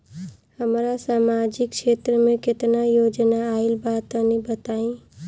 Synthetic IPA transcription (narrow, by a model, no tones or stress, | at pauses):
həmɾasamad͡ʒikt͡ʃʰet̪ɾəmeket̪najod͡ʒnaːilbat̪ənibət̪aĩ